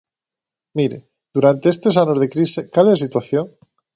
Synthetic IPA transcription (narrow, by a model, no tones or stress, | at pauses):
miɾḛ | d̪̥uɾant̪e̞est̪esanozðe̞kɾisekalesit̪waθjoŋ